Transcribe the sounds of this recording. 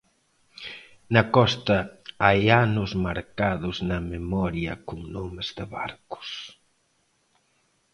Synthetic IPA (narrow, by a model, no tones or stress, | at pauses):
nɐkɔst̪ɐajanʊzmaɾkaðʊznɐmemɔɾjɐ̰kʊŋnomezðɪβa̰ɾkʊ̥s